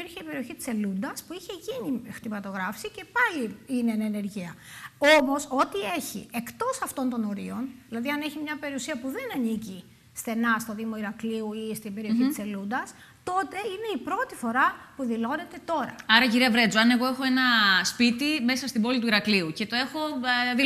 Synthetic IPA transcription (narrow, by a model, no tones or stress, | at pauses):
iɾçeipe̞ɾio̞çit̪i̥se̞lund̪ɐspuiçe̞ʝinixt̪imɐt̪o̞ɣɾɐfsice̞pɐliinenene̞ɾʝiɐo̞mo̞so̞t̪ie̞çḭe̞kt̪o̞sɐft̪o̞nt̪o̞no̞ɾḭo̞nðilɐðiɐne̞çimɲɐpe̞ɾiusiɐpuðe̞nɐnici | stθe̞nɐst̪o̞ðimo̞iɾɐkliuist̪ibe̞ɾioçiiselund̪ɐs | t̪o̞t̪e̞ine̞ipɾo̞t̪ifo̞ɾɐpuðilo̞ne̞t̪e̞t̪o̞ɾɐ̰ɐɾɐciɾiɐvɾe̞d͡zoɐne̞ɣo̞e̞xo̞e̞nɐspit̪ime̞sɐst̪ibo̞lit̪uiɾɐkliuce̞t̪o̞e̞xo̞ði